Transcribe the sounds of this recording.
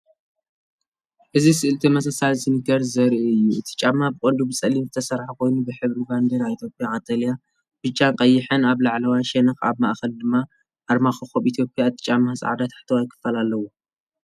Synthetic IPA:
ʔɨzisɨʔɨlt̪ʰimɐs̬ɐsalsɨnikɐɾzɐɾʔɨjːuɨt̪ʰi̥t͡ʃʼːamːabɨkʼond̪ubɨt͡sʼɐlːimzɨt̪ʰɐsɐɾħakʰo̞jnubɨħɨβɾiband̪ɐɾait̪ʰjo̞pʼjaʕat̪ʰʼalja | b̥ɨt͡ʃʼːankʼɐjːɪħɨnaβlaʕlɐwajʃɛnɐxa̰βmaʔxɐld̪ɨmːa | ʔaɾmaxɨxoβit̪ʰjo̞pʼjaɨt̪ʼi̥t͡ʃʼamːasʼʕa̰d̪at̪ʰħt̪ʰɐwajkʰɨ̥fːalalːɐwo

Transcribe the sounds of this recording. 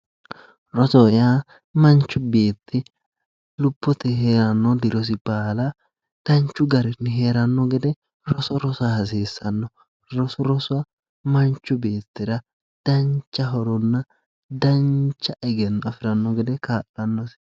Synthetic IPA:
ɾɔsɔɪjaː | mɐnt͡ʃːʊbeːt̪ʰːɪ | lʊpːɔt̪ɛɦeːɾɐnːɔd̪ɪɾɔs̬ɪb̥aːlɐ | d̪̥ɐnt͡ʃːʊɡɐɾɪnːɪɦe̞ːɾɐnːɔɡɛd̪ɛ | ɾɔsɔɾɔsʊahɐs̬eːsːɐnːɔ | ɾɔsɔɾɔsʊɐ | mɐnt͡ʃːʊbe̞ːt̪ːɪɾɐ | d̪̥ɐnt͡ʃːɐɦɔɾɔnːɐ | d̪ɐnt͡ʃːɐʔɛɡɛnːɐfɪɾɐnːɔɡɛd̪ɛkaːʔɐnːɔs

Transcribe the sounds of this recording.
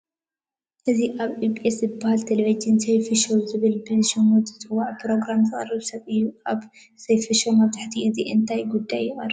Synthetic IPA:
ʔɨziʔaβipʼeszɨbːahalt̪ʰeleβid͡ʒɨnsejfɨʃowzɨβɨlbɨʃomot̪ɨt̪ʰʼɨwaʕpʰɾo̞ɡɾamzɨχʼɐ̰rɨβsɐβɨjːuaβ | sejfɨʃomaβt̪ʰaħt̪ʰiʔɨziʔɨnt̪ʰajɡud̪ːajːɪχʼɐrːɐ

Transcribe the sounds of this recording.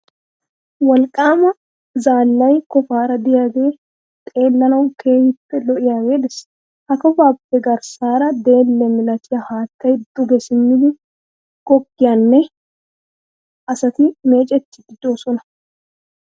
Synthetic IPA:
wɐlkʼaːmɐ | zaːlːɐjkɔfaːɾɐd̪ɪjaːɡe̞ː | t̪ʼe̞ːlːɐnɐwkʰe̞ːhɪpːɛlɔʔɪjaːɡeːd̪ɪs | hɐkɔfaːpːɛɡɐɾsaːɾɐd̪e̞ːlːɛmɪlɐt̪ɪjɐhaːt̪ːɐjd̪ʊɡɛsɪmːɪd̪ɪ | ɡ̥ɔɡːɪjɐnːɛ | ʔɐsɐt̪ɪme̞ːt͡ʃʼɛt̪ːɪd̪ɪd̪oːsɔnɐ̥

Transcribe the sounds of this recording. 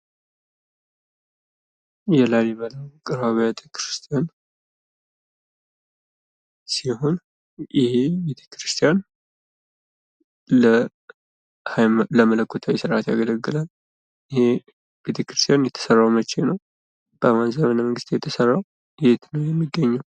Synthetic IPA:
jɛlaliβələwkʼɨɾwaβjat̪ʰʼəkʰɾɨst̪ʰijan | siho̞n | jɪhebet̪ʰe̥kɾɨst̪ʰʼjan | lə | hajləmələkːot̪ʰawisɨɾʔat̪jaɡələɡːɨlal | jɪhe | b̥et̪ʰekɾɨst̪ijanjɛt̪ʰə̥sərːawmət͡ʃːenəw | b̥əmanzəmənaməŋɡɨst̪jɛt̪ʰəsərːaw | jet̪nəwjɛmːiɡːəɲːaw

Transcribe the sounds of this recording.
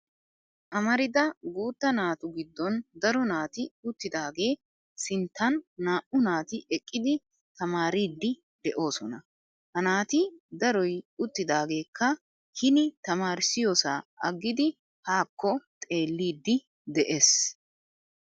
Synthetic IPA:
ʔɐmɐɾɪd̪ɐɡuːt̪ːɐnaːt̪ʊɡɪd̪ːɔnd̪ɐɾɔnaːt̪ɪʊt̪ːɪd̪aːɡe̞ː | sɪnt̪ːɐnːaːʔʊnaːt̪ɪʔɛkʼːɪd̪ɪ | t̪ɐmaːɾiːd̪ːɪ | d̪̥ɛʔo̞ːsɔnɐ | hɐnaːt̪ɪd̪ɐɾɔjʊt̪ːɪd̪aːɡe̞ːkʰːɐ | hɪnɪt̪ɐmaːɾɪsɪjoːsaːɐɡːɪd̪ɪ | haːkːɔt̪ʼe̞ːlːiːd̪ːɪ | d̪ɛʔeːs

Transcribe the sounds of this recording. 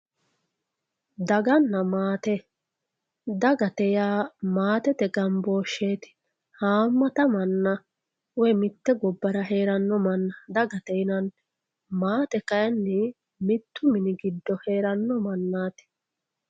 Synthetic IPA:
d̪ɐɡɐnːɐmaːt̪ɛ | d̪ɐɡɐt̪ɛjaːmaːt̪ɛt̪ɛɡɐmbo̞ːʃːeːt̪ɪ̥ | haːmːɐt̪ɐmɐnːɐ | wɛmɪt̪ːɛɡɔbːɐɾɐɦeːɾɐnːɔmɐnːɐd̪ɐɡɐt̪ɛjnɐn | maːt̪ɛkɐjɐnːɪ | mɪt̪ːʊmɪnɪɡɪd̪ːɔhe̞ːɾɐnːɔmɐnːaːt̪ɛ̥

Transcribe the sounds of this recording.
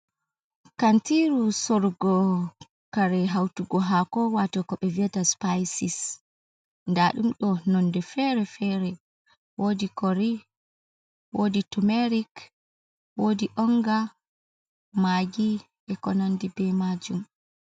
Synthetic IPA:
kantiɾusɔɾɡɔ | kaɾɛɦawtuɡɔɦakɔwatɔkɔɓɛviɛdaspajsis | ndaɗumɗɔnɔndɛfɛɾɛfɛɾɛ | wodikɔɾi | wʔoditumɛɾik | wodiʔɔŋɡa | maɡi | ɛkɔnandibɛmad͡ʒum

